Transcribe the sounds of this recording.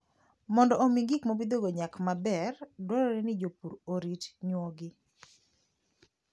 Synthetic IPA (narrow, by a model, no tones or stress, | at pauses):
mɔndɔʔomiŋɡikmobid̪oɡoɲakmabɛrdwɔɾɔɾɛnɪd͡ʒopuɾoɾitɲwɔɡɪ